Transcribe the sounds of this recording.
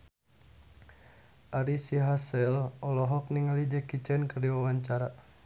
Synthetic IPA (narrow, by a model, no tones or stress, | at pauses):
ʔaɾisiɦasɛlɔlɔɦɔk̚niŋalid͡ʒɛkit͡ʃɛnkərdiwawaɲt͡ʃaɾa